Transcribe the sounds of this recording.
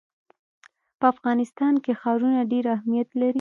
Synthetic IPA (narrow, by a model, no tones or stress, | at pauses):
pəafɣɑnɪst̪ɑnkexɑɾunaɖeɾahmijat̪laɾi